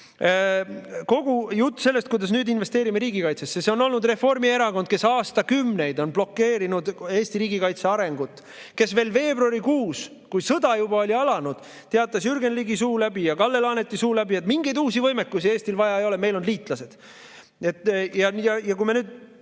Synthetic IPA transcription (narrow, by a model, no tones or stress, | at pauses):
ko̞ɡ̥ujut̪ːse̞lːe̞st̪kujd̪̥ɑs̬nyːd̪inve̞st̪eːɾimeɾiːɡikɑjt̪sesːese̞o̞no̞lnud̪re̞fo̞rmie̞ɾɑko̞nd̪̥̚ke̞sɑːst̪ɑkymne̞jd̪o̞nb̥lo̞kːe̞ːɾinud̪e̞ːst̪iɾiːɡikɑjt̪se̞ɑɾe̞ŋɡut̪ːˑ | ke̞sve̞ːlve̞ːbruɑɾikuːs | kujsɤd̪ɑjubɑo̞lʲiɑlɑnud̪̥ | t̪eɑt̪ːˑɑsyɾɡe̞nliɡisuːlæbijɑkɑlːe̞lɑne̞t̪ːˑisuːlæbie̞t̪miŋɡe̞jd̪uːsivɤjme̞kːusieːst̪ilvɑjɑejo̞leme̞jlo̞nliːt̪ˑlɑse̞d̪̥ | e̞t̪ːjɑjɑjɑkujmenyːd̪̥